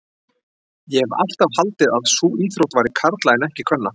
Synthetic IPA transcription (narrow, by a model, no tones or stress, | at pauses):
jɛva̰l̥t̪avhalt̪ɪðaðsuːiːθɾowt̪vajɾɪkʰaɾt̪laɪnɛhcɪkʰv̥ɛnːa